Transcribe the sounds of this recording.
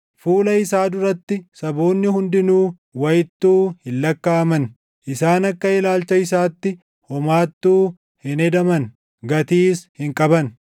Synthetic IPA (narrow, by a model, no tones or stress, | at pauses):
fuːlɐɪsaːd̪ʊɾɐt̪ːɪsɐboːnːɪhʊnd̪ɪnuː | wɐjɪt̪ːuːhɪlːɐkːaːɐmɐn | ʔɪsaːnɐkːɐɪlaːlt͡ʃɐɪs̬aːt̪ːɪ | hɔmaːt̪ːuː | hɪnɛd̪ɐmɐn | ɡɐt̪iːshɪŋkʼɐbɐn